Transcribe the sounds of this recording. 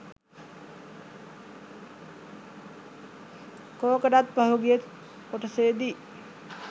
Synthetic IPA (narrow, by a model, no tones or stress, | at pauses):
koːkəɖat̪̚paɦuɡijet̪ | koʈəseːd̪i